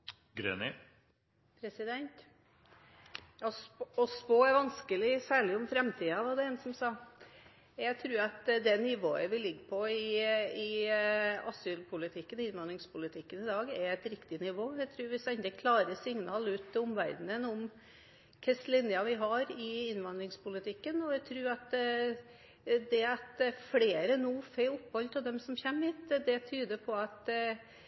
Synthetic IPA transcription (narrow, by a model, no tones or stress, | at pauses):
ɡɾḛːnɪ | pʰɾɛsɪd̪ɛnt̪ | jɑsɔspoːæɾʋɑnskəlɪsæːɭɪʊmfɾɛmt̪ʰiːɑʋɑɖɛɛːnsɔmsɑː | jæɡt̪ʰɾʉːɾɑt̪d̪ɛnɪʋoːəʋɪlɪɡːəpʰɔɪɪ | ɑsyːlpʰʊlɪt̪ʰɪkːənɪnʋɑnɪŋspʊlɪt̪ʰɪkːənɪd̪ɑːɡɛɾɛt̪ɾɪkt̪ɪnɪʋoːæɡt̪ʰɾʉːɾʋɪsɛɪnd̪əkʰlɑːɾəsɪŋnɑːlʉːt̪ːɪʊmʋæ̰ɾd̪nənʊm | kʰɛslɪnjɑʋɪɦɑɾɪɪnʋɑnd̪ɾɪŋspʊlɪt̪ʰɪkːənɔæt̪ʰɾʉːɾɑt̪ | d̪ɛɑt̪fleːɾənuːfɛʊpːhɔlt̪ʰɪld̪ɛmsɔmçɛmːʋiːt̪d̪ɛt̪ʰyːd̪əpʰɔɑt̪